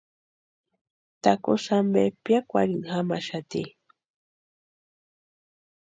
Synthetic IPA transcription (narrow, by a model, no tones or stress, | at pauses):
t̪akosambepjakʷa̰ɾiŋxamaʃat̪ḭ